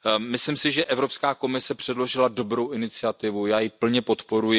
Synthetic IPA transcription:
mɪslɪmsɪʒɛʔɛvɾo̞pskaːko̞mɪsɛpr̝̥ɛdlo̞ʒɪlado̞bɾo̞wʔɪnɪt͡sɪat̪ɪvujaːjɪpl̩ɲɛpo̞t̪po̞ɾujɪ

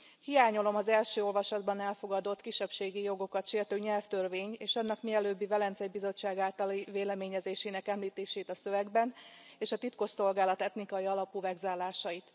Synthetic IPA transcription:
hijaːɲo̞lo̞mɒzɛlʃøːo̞lvɒʃɒd̪bɒnɛlfo̞ɡɒd̪o̞t̪kiʃːɛpʃeːɡijo̞ɡo̞kɒt̪ʃeːrt̪øːɲɛlft̪ørveːɲeːʃɒnːɒkmiɛløːbːivɛlɛnt̪sɛjbizo̞t͡ʃːaːɡaːlt̪ɒliveːlɛmeːɲɛzeːʃeːnɛkɛmliːt̪eːʃeːt̪ɒsøvɛɡbɛneːʃɒt̪it̪ko̞ʃso̞lɡaːlɒt̪ɛt̪nikɒjiɒlɒpuvɛɡzaːlːaːʃɒjit̪

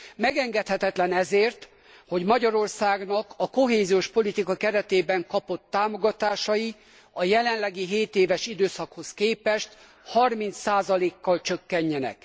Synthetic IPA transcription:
mɛɡɛŋɡɛt̪hɛt̪ɛt̪lɛnɛzeːrt̪ | ho̞ɟmɒɟɒɾo̞rsaːɡnɒkɒko̞ɦeːzioːʃpo̞lit̪ikɒkɛɾɛt̪eːbɛŋkɒpo̞t̪ːaːmo̞ɡɒt̪aːʃɒji | ɒjɛlɛnlɛɡiɦeːt̪eːvɛʃid̪øːsɒkho̞skeːpɛʃt̪ | hɒrmint̪saːzɒleːkːɒlt͡ʃøkːɛɲːɛnɛ̰k

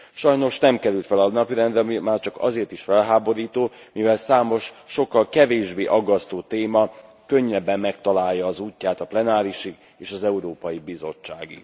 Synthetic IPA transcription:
ʃɒjno̞ʃnɛmkɛɾylt̪fɛlɒnɒpiɾɛnd̪rɛmimaːrt͡ʃɒkɒ̰zeːrt̪iʃfɛlɦaːbo̞ɾiːt̪oː | mivɛlsaːmo̞ʃːo̞kːɒlkɛveːʒbeːʔɒɡːɒst̪oːt̪eːmɒ | kø̞ɲːɛbːɛmːɛkt̪ɒlaːjːɒːzuːcːaːt̪ɒplɛnaːɾiʃi | eːʃɒzɛuɾoːpɒjibizo̞̰t͡ʃːa̰ːɡḭ

